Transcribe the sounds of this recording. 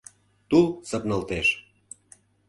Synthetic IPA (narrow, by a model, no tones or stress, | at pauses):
t̪ulsə̆pnə̆lt̪eʃ